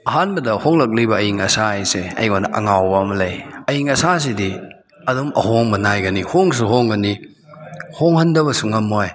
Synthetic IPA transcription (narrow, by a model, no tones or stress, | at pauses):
ɐɦanbɐdɐhoŋlɐk̚lijbɐːjiŋɐsaajseɐ̰jɡonɐʔɐ̰ŋawbɐːmɐlɐjɐjiŋɐsas̬edi | ɐdumɐ̰hoŋbɐnajɡɐnihoŋs̬uɦoŋɡɐni | hoŋhɐndɐbɐsuŋɐmoj